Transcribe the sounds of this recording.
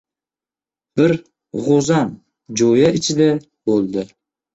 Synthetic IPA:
b̥ɪɾ | ʁozam | d͡ʒojaɪt͡ʃʰɪd̪a | b̥olˠd̪ɪ

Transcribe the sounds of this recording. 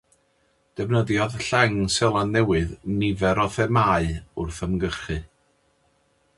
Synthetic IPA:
d̥ɛvnəðjɔðɬaŋsɛlˠanːɛwɨðnɪvɛɾɔθɛmaɨʊrθəmɡərχɨ

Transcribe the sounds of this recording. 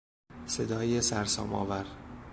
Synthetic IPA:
se̞d̪ɒːjesæɾsɒ̰ːmɒ̰ːvæɾ

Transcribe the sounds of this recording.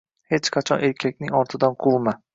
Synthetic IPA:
het͡ʃqʰat͡ʃʰɒnʔe̞ɾkʲʰak̚ʲnɪŋɒɾt̪ʰɪd̪anqʰulˠma

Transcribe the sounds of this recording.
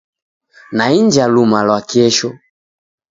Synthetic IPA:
naind͡ʒalumalwakiɛʃɔ

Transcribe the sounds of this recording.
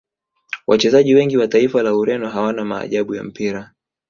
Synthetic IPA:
wʔat͡ʃɛzaʄiwɛŋɡiwataifalauɾɛnɔɦawanama̰ːʄaɓuja̰m̩piɾa

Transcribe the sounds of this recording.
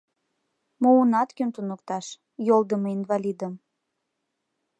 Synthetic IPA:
mounɑt̪kynt̪unokt̪ɑʃ | jolˠd̪əmoinvɑlʲid̪əm

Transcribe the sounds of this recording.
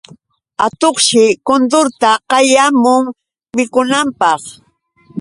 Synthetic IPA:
at̪oχʃɪkʊnd̪ʊɾt̪aqɑjamʊŋ | mɪkʊnampɑχ

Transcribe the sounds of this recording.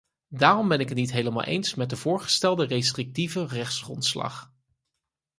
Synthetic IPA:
daːrɔmbɛnɪkətnitɦejləma̰lˠʔḛjnsmɛt̚dəvʊːɹχə̥stɛlˠdərestrɪk̚tivərɛχtsχrɔ̰ntslɑ̰χ

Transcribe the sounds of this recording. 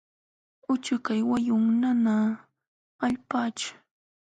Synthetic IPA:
ʊt͡ʃakajwajʊŋnana | aʎpaːt͡ʃʊ̥

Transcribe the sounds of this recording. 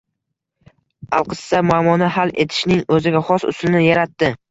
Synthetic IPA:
a̰lˠqʰɨsːamʊamɒnahale̞t̪ʰɪ̥ʃnɪŋɵzɪɡʲaχɒsʊ̰slɪnɪjaɾat̪ːɪ

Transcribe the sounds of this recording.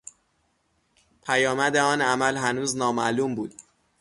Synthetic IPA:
pʰæjɒːmæd̪eɒːnæmælɦænuːznɒːmæluːmbuːd̪̥

